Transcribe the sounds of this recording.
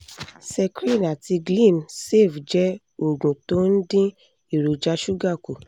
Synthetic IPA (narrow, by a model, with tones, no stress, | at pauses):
sɛ˧kɾi˦˨na˨ti˧ɡlĩ˦˨mse˦˨fd͡ʒɛ˦ | o˨ɡũ˨to˦n̩˦dĩ˦ | i˨ɾo˨d͡ʒa˧ʃu˦ɡa˦˨ku˨